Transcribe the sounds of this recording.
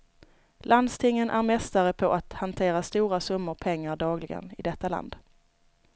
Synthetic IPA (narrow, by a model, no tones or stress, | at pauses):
land̪st̪ʰɪŋːənʔæɾmɛst̪aɾəpʰɔʔat̪hant̪ʰeːɾast̪uːɾasɵmːəɾpʰɛŋːaɾɖɑːɡlɪɡə̰nɪ̰d̪ɛt̪ːala̰nd̪